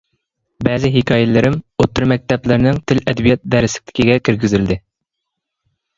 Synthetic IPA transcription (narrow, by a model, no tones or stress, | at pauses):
bɛːzɪɦɪkʲʰɑːjɛlɪɾɪmot̪ːɨɾmɛk̚ʲt̪ɛplɪɾnɪŋt̪ʰɪlɛd̪bijɛt̪̚d̪ɛɾɪsɪk̚ʲt̪ʰɪ̥kʲiɡʲɛkʲʰiɾɡʲɪzɪld̪ɪ